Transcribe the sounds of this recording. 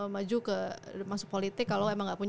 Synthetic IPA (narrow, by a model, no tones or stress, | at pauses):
mad͡ʒukəmasʊk̚polit̪ɪkːaloemaŋɡaʔpuɲ